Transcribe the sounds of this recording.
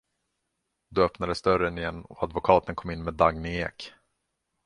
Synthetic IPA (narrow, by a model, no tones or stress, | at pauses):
d̪ɵœpnad̪əsd̪œɾənɪjɛnːɔad̪vʊkʰɑːt̪ənkʰɔmːɪnːmeːd̪aɡnɪeːk